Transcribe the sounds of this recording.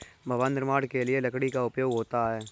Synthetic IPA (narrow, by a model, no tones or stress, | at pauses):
bʱɐʋaːnːɪɾmaːɽkelielɐkɽikaʊpjoːɡɦoːt̪aɦɛː